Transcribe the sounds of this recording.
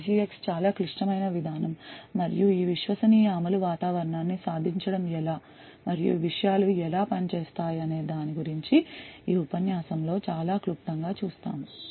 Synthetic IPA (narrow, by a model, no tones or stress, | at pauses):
siːekst͡ʃaːlaːkɾiʂʈɐmɐjnɐʋid̪ʱaːnɐmːɐɾḭjuiːʋiʃʋɐsɐniːjɐɐmɐluʋaːt̪aːʋɐɾɐɳaːnːisaːd̪ʱiɲt͡ʃɐɽɐmɛlaː | mɐɾijṵʋiʂɐjaːluɛlaːpɐnit͡ʃeːst̪aːjɐne̞ːd̪aːniɡuɾiɲt͡ʃiiːupɐnjaːsɐmlo̞ːt͡ʃaːlaːklukʈ̪ːɐŋɡaːt͡ʃuːst̪a̰ːmu